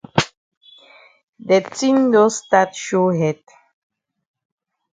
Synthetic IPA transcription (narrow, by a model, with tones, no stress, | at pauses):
dɛ˨tĩ˦ndo˦statʃo˦ɦɛd